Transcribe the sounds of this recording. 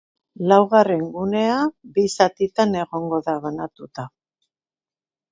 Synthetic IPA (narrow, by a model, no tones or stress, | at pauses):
lawɣare̞ŋɡune̞abisat̪it̪ane̞ɣo̞ŋɡo̞ðaβanat̪ut̪a